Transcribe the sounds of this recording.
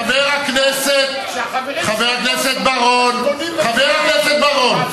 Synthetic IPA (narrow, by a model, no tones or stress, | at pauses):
aveʁhakneset̪ | χaveʁhakneset̪̚baʁon | χaveʁhakneset̪̚baʁon